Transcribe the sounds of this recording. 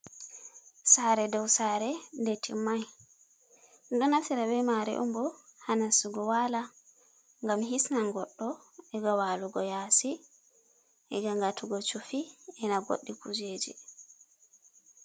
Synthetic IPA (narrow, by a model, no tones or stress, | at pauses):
saɾɛdɔwsaɾɛndetʰimaj | ndɔnafiɾabɛmaɾɛ̰ʔɔ̰mbɔhanasuɡɔwala | ŋɡamɦisnaŋɡɔɗːɔɛɡawaluɡɔjasi | ʔɛɡaŋɡatʰuɡɔt͡ʃufiɛnaɡo̰ɗːikud͡ʒed͡ʒḭ